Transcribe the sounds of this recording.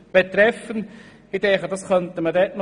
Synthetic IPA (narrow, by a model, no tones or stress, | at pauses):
b̥et̪ɾɛfən | idɛχədɑskœntəmədɛtn